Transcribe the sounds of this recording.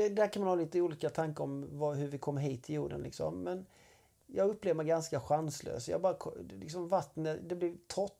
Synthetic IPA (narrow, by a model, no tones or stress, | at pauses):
ɛd̪ɛæɾkʰanmanhɑːliːt̪əuːliːkat̪ʰaŋkəɾɔmvɑɦɵɾvɪkʰɔmːɦiːt̪ʰːɪljuːɖə̰nlɪ̰ksɔ̰mːɛn | jɑːɡɵpːleːvəmɛɪjɡanskaɧanslø̰ːsjɑ̰ːbɑːɾakʰɔlɪksɔmvat̪ːnəd̪ɛblɪvt̪ʰɔt̪ː